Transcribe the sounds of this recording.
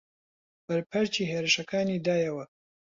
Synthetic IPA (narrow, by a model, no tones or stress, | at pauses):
b̥ɐɾpʰɐɾt͡ʃiːɦeːɾɨʃɐkaːniːd̪aːjɐwɐ